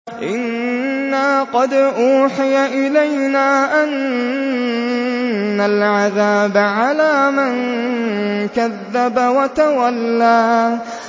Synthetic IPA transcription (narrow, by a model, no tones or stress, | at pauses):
ʔɪnːaːqɑd̪ʔuːħɪjaʔɪlajnaːʔan | alʕaðaːbʕalaːmɪn | kaðːabawat̪awalːaː